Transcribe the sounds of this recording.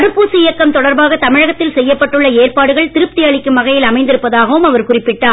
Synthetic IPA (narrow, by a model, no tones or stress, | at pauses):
ɐɾɯpːuːsɯɪjɐkːɐmt̪ɔɽɐɾbaːɣɐt̪ɐmɪɻɐɣɐt̪ːɪlsɛjːɐpːɐʈːɯɭːɐeːrpaːɽɯɣɐɭt̪ɪɾɯp̚t̪ɪjaːɭɪkːɯmʋɐɣɐjɪlɐmɐɪnd̪ɪɾɯpːɐðaːɣɐʋɯmɐʋɐɾkʊrɪpːɪʈːaː